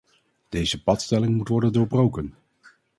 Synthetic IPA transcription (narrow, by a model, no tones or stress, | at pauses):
d̥ejzəpɑtstɛlɪŋmutʋɔɹdəndoːɹbrowkən